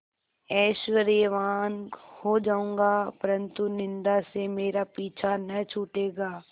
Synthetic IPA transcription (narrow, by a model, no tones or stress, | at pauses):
ɛːʃʋəɾeʋaːnhod͡ʒaːũːŋɡapɐɾə̃nt̪unɪ̃nd̪asemeːɾapiːt͡ʃʰanɐt͡ʃʰuːʈeːɡaː